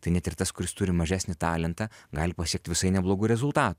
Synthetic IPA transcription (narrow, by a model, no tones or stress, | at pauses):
t̪ɐɪnʲɛt̪ɪrt̪ɐskʊɾʲɪst̪ʊɾʲɪmɐʒʲæːsʲnʲɪt̪ɑːlʲɛnt̪ɑːɡɑːlʲɪpɐsʲiɛk̚t̪ʲʋʲɪsɐɪnʲɛblˠoːɡuːɾʲɛzʊlˠt̪ɑːt̪ʊ